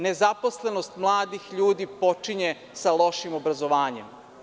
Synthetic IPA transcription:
nezapo̞sle̞nost̪mlˠaːd̪ixʎuːd̪ipot͡ʂiɲe | salo̞ʃimo̞bɾazoʋaːɲem

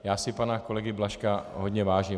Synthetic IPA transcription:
jaːsɪpanakolɛɡɪblaʃkaɦodɲɛvaːʒi

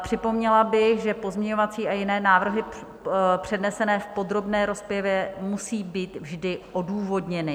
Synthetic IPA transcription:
pr̝̥ɪpo̞mɲɛlabɪxʒɛpo̞zmɲɛɲovat͡siːajɪnɛːnaːvr̩ɦɪ | pr̝̥ɛdnɛsɛnɛːfpo̞d̪ɾo̞bnɛːɾo̞spjɛvjɛmusiːbiːt̪vʒdɪʔoduːvo̞dɲɛnɪ

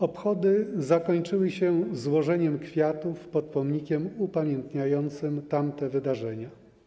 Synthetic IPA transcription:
ɔpxɔd̪ɘzakɔɲt͡ʂɘwɘɕɛzwɔʐɛɲɛmkfʲjat̪ufpɔt̪̚pɔmɲikʲɛmupamʲjɛnt̪ɲajɔnt̪sɘmt̪amt̪ɛvɘd̪aʐɛɲa

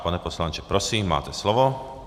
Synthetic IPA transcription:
panɛpɔslant͡ʃɛpɾɔsiːmːa̰ːt̪ɛslɔʋɔ

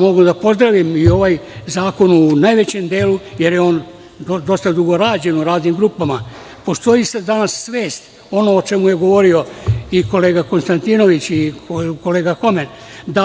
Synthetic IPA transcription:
mo̞ɡud̪apo̞zd̪ɾaʋimio̞ʋajzaːko̞nunajʋe̞t͡ɕe̞md̪e̞ːluje̞ɾjeo̞ːn | od̪o̞st̪ad̪uɡo̞ɾaːd͡ʑe̞nuɾaːznimɡɾuːpama | po̞st̪o̞isad̪anasːʋeːst̪ | o̞noːt͡ʃe̞mujeɡo̞ʋo̞ɾio̞iko̞le̞ːɡako̞nst̪ant̪iːno̞ʋit͡ɕioko̞leːɡako̞men | d̪a

